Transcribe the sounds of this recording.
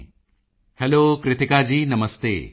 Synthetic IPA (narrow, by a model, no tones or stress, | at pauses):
hɛloːkɾɪt̪ɪkad͡ʑiːnɐməst̪ḛː